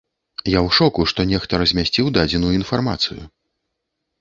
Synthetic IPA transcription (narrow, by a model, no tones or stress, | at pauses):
jawʂɔkuʂt̪ɔnʲɛxt̪ɐɾɐzʲmʲasʲt͡sʲiwd̪ad͡zʲɛnujuin̪farma̰t̪sɨjṵ